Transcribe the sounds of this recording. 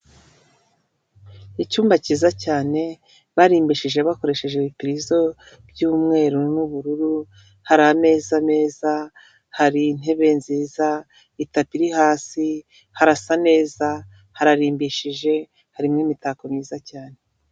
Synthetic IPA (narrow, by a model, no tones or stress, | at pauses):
icuːmbaciːzacaːne̞ | βaɾiːmbiʃiʒe̞βako̞ɾe̞ʃe̞ʒeβipiɾizo̞ | b̥juːmŋe̞ːɾunuβuɾuɾu | haɾame̞ːzane̞ːza | haɾin̥e̞βe̞nziːza | itapiɾihaːsi | haɾasane̞ːza | haɾaɾiːmbiʃiʒe̞ | haɾimŋiːmitakomɲiːzacaːne̞